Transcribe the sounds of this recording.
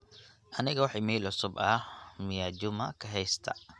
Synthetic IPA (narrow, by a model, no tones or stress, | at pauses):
ʔɐnɪɣɐwɑħiːmɛːlʊsʊbɐmɪjaːd͡ʒʊmɐkʰɐɦɛjst̪ʰɐ